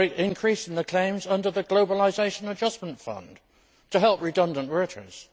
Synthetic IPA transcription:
ɪɪ̃nkʰɹ̥isn̩ðəkʰl̥ẽɪ̃mzʌ̃ndə˞ðəɡloʊbəlɪzeɪʃə̃nəd͡ʒʌsmə̃ntfʌ̰̃n | tʰəɦɛlˠp̚ɹɨdʌ̃ndə̃nʔɹɛɾəɹḭz̥

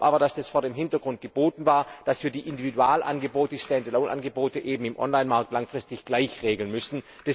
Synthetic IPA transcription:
ʔaːbɐdasɛsfoːɐɾeːmɦɪntɐɡʁʊnt̚ɡ̥əboːtn̩vaːɐd̥asv̥iːɐdiːʔɪndividuaːlʔa̰nɡəboːtəɪstɛndəloʊnʔa̰nɡəboːtəʔeːbm̩ɪmʔɔ̰nlaɪnmaɐk̚tlaŋfʁ̥ɪstɪçɡ̥laɪçʁeːɡl̩nmʏsn̩ | d̥ɛs

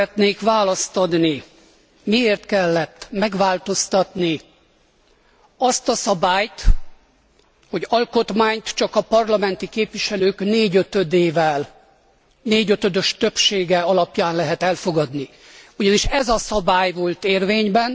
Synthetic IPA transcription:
ɛt̪neːkʋaːlɒst̪od̪ni | mieːrt̪kɛlːɛt̪ːmɛɡʋaːlt̪o̞st̪ɒt̪ni | ɒst̪ɒsɒbaːjt̪ | ho̞ɟɒlko̞t̪maːɲt̪t͡ʃɒkɒpɒrlɒmɛnt̪ikeːpʋiʃɛløːkneːɟøt̪ød̪eːvɛl | neːɟøt̪ød̪øʃt̪ø̞pʃeːɡɛɒlɒpjaːnlɛɦɛt̪ɛlfoɡɒd̪ni | uɟɒniʃɛzɒsɒbaːjvo̞lt̪eːrveːɲbɛn

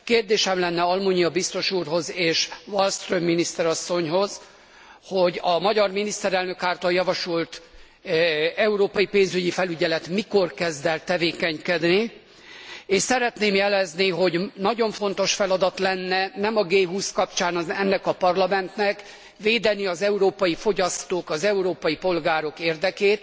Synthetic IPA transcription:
keːrd̪eːʃɛmlɛnːɛɒlmuɲijɒbist̪o̞ʃuːrɦo̞zeːʃvolst̪rømːinist̪ɛɾɒsːo̞ɲɦo̞z | ho̞ɟɒmɒɟɒrminist̪ɛɾɛlnøkaːrt̪ɒljɒvɒʃolt̪ | ɛuɾoːpɒjipeːnzyɟifɛlyɟɛlɛt̪miko̞rkɛzd̪ɛlt̪ɛveːkɛɲkɛd̪ni | eːʃsɛɾɛt̪neːmjɛlɛzniɦo̞ɟnɒɟo̞ɱfo̞nt̪o̞ʃfɛlɒd̪ɒt̪lɛnːɛnɛmɒɡeːɦuːskɒpt͡ʃaːnɒɛnːɛkɒpɒrlɒmɛnt̪nɛk | veːd̪ɛniɒzɛuɾoːpɒjifo̞ɟɒst̪oːkɒzɛuɾoːpɒjipo̞lɡaːɾo̞keːrd̪ɛkeːt̪

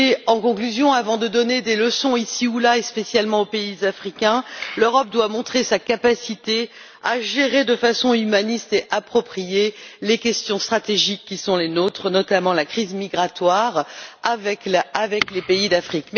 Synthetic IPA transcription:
eɑ̃kɔ̃klyzjɔ̃avɑ̃d̪əd̪ɔned̪eləsɔ̃isiulaespesjalmɑ̃opeizafχikʲɛ̃løʁɔp̚d̪wamɔ̃t̪χesakapasit̪e | aʒeʁed̪əfasɔ̃ymanist̪eʔapχɔpχijelekʲɛst̪jɔ̃st̪χat̪eʒikʲːisɔ̃lenot̪χənɔt̪amɑ̃lakχizmiɡʁat̪waʁavɛkavɛklepeid̪afχikm

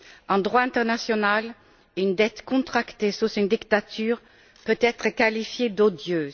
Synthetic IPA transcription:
ɑ̃d̪ʁwaɛ̃t̪ɛʁnasjɔnal | ynd̪ɛt̪kɔ̃t̪χakt̪esusynd̪ikt̪at̪yːʁ | pøt̪ɛt̪χəkalifjed̪od̪jø

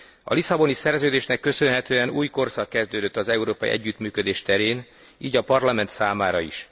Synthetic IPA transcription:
ɒ̰lisɒbo̞nisɛrzøːd̪eːʃnɛkːø̞sø̞nɦɛt̪øːɛnuːjko̞rsɒkːɛzd̪øːd̪øt̪ːɒzɛuɾoːpɒḭʔɛ̰ɟːyt̪myːkø̞d̪eːʃt̪ɛɾeːn | iːɟɒpɒrlɒmɛnt̪saːmaːɾɒḭʃ

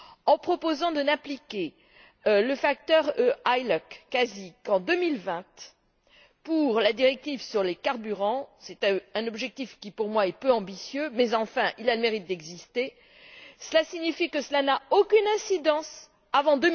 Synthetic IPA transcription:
ɑ̃pχɔpozɑ̃d̪ənaplikʲe | ləfak̚t̪œʁøajlɔkːazikɑ̃d̪əmilvɛ̃t̪ | puʁlad̪iʁɛk̚t̪ivsyʁlekaʁbyʁɑ̃sɛt̪ɛ̃nɔbʒɛk̚t̪ifkʲipuʁmwaɛpøɑ̃bisjømɛzɑ̃fɛ̃ʔilaləmeʁit̪̚d̪ɛɡzist̪e | səlasiɲifikəsəlanaokʲynɛ̃sid̪ɑ̃s | avɑ̃d̪ə

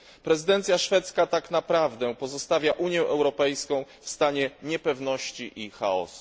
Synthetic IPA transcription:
pɾɛzɨd̪ɛnt̪sʲjaʂfɛt̪skat̪aknapɾavd̪ɛpɔzɔst̪avʲjaʔuɲjɛʔɛwɾɔpɛjskɔ̃w̃fst̪aɲɛɲɛpɛvnɔɕt͡ɕiʔixaɔ̰su̥

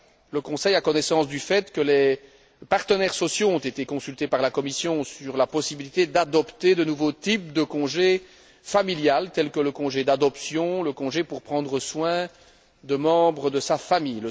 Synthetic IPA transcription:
ləkɔ̃sɛjakɔnɛsɑ̃sd̪yfɛt̪kəle | paʁt̪ənɛʁsɔsjoɔ̃t̪et̪ekɔ̃sylt̪epaʁlakɔmisjɔ̃syʁlapɔsibilit̪ed̪ad̪ɔpt̪ed̪ənuvot̪ip̚d̪əkɔ̃ʒe | familjalt̪ɛlkələkɔ̃ʒed̪ad̪ɔpsjɔ̃ləkɔ̃ʒepuʁpχɑ̃d̪ʁəswɛ̃ | d̪əmɑ̃bʁəd̪əsafamijə

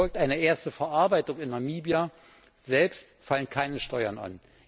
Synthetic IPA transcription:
ɔlk̚tʔaɪnəʔeːɐstəfɛɐʔaɐbaɪtʊŋɪnamiːbja | zɛlpst | falənkʰaɪnəʃtɔʏɐna̰n

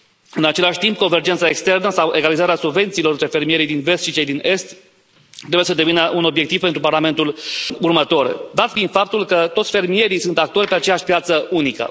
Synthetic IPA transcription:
ɨnat͡ʃe̞laʃʲt̪imp̚ko̞nve̞rd͡ʒent̪sae̞kst̪e̞rnəsawʔe̞ɡalizaɾeasubve̞nt̪siːlo̞ɾɨnt̪ɾe̞fe̞rmije̞ɾijd̪inve̞st̪ʃit͡ʃe̞jd̪ine̞st̪ː | ɾe̞bujesəd̪e̞vinəʔuno̞bjekt̪ivpent̪ɾuparlame̞nt̪ulurmət̪o̞rd̪at̪ɡinfap̚t̪ulkət̪o̞t̪sʲfe̞rmije̞ɾijsunt̪ak̚t̪o̞rʲpe̞at͡ʃe̞jaʃʲpijat̪səunikə̰

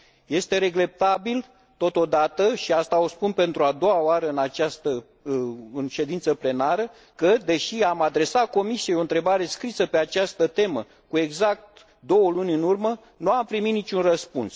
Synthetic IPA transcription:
je̞st̪e̞ɾe̞ɡle̞p̚t̪abil | t̪o̞t̪o̞d̪at̪əʃiast̪ao̞spunpe̞nt̪ɾuad̪o̞waoaɾəɨnat͡ʃast̪ə | ɨnʃe̞d̪int̪səple̞naɾə | kəd̪e̞ʃiamad̪ɾe̞sako̞misijeoɨnt̪ɾe̞baɾe̞skɾisəpe̞at͡ʃast̪ət̪e̞mə | kue̞ɡzak̚t̪ | d̪o̞wəlunʲɨnurmə | nuampɾiminit͡ʃunrəspuns

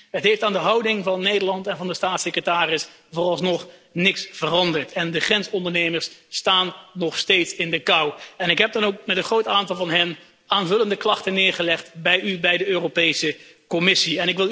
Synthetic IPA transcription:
ɦətɦejftaːndəɦʌwdɪŋvɑnːejdəɹlɑntɛnvɑndəstaːtsɪkrətaːrɪs | voːrɑlˠsnɔχnɪksfərɑndəɹtʰɛndəχrɛnsɔndəɹnejməɹstaːnːɔχstejtsɪndəkʌwɛnɪkɦɛb̚dɑnowk̚mɛtənχrowtaːntɑlˠvɑnɦɛn | aːnvɵləndəklɑχtənɪːɹχəlɛχtbɛjybɛjdəøːropejsəkɔmɪsiɛnɪkʋɪlˠ

